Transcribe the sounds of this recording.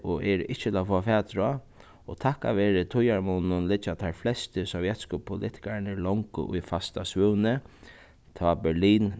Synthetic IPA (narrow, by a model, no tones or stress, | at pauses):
ɔɛːɾɪht͡ʃːət̪lafɔːafɛːt̪ɾa | ɔt̪ʰaka̰ʋeːɾɪt̪ʰʊjaɹmunnːʊnlɪt͡ʃːat̪ʰaɾflɛst̪ɪsɔvjɛt̪skəpʰʊlʔɪ̰ht̪ɪ̥kaɾnɛɹlɔŋkə̰ʔʊ̰jfast̪asʋʉwnɪ | t̪ʰabɛliːn